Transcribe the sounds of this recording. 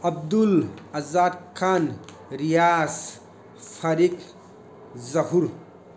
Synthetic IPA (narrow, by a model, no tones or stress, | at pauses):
ɐb̚d̪ulɐzaːd̪kʰaːn | ɾijaːs | fʰɐɾik | zɐɦuɾ